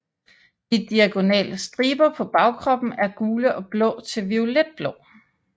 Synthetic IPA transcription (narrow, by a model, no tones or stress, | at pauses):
did̥iæɡ̥o̝nɛ̰ːləsd̥ʁiːb̥ɐpʰɒ̽b̥ɑ̈ʊkʰʁɒ̽b̥n̩æɐɡ̥uːləʔɒ̽b̥lɔ̰̽ːt͡sʰe̝lʋioled̥̚b̥lɔʊ